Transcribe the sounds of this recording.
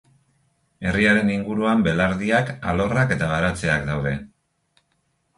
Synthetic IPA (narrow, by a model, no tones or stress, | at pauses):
e̞riaɾe̞niŋɡuɾuambe̞laɾðiakalo̞rake̞t̪aβ̞aɾat͡se̞akd̪awðe̞